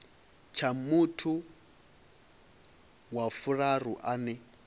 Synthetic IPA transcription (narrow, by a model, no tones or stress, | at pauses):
t͡ʃʰamutʰu | wafuɺaruʔanɛ